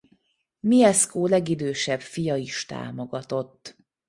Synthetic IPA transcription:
miɛskoːlɛɡid̪øːʃɛbfijɒiʃt̪a̰ːmo̞ɡɒt̪o̞t̪ː

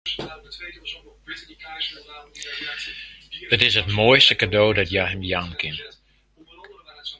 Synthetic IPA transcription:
ətɪsətmoːjstəkadoːdɔtjaɦəmdiaːnkɪn

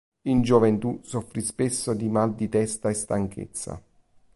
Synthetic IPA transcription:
ind͡ʒovent̪usofːɾispesːod̪imald̪it̪ɛst̪aest̪aŋkʰḛt̪sːa̰

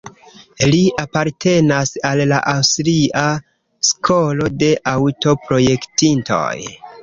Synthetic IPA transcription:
liapaɾtʰe̞nasalːaʔawstɾiʔa | skʰo̞lo̞de̞ʔawto̞pɾo̞je̞ktinto̞̰j

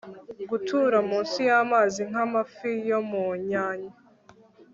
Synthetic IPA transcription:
ɡutʰuɾamuːnsijamaːziŋ̥amafijo̞muɲaːɲa

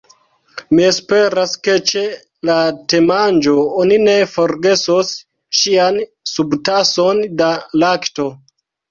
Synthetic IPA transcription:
mie̞spe̞ɾaske̞t͡ʃe | late̞mand͡ʒoonine̞foɾɡe̞sos | ʃian | subtasondalakto̞

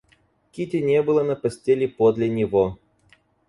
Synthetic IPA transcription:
kʲitʲɪnʲebɨlˠənəpɐsʲtʲelʲɪpod̪lʲɪnʲɪvo

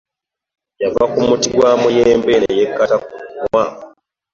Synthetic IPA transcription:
javakumutiɡwaːmujeːmbenejekːatakunmwa

